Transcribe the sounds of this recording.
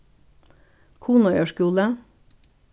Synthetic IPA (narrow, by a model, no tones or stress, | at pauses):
kʰuːnʊjøːʃkʉːlə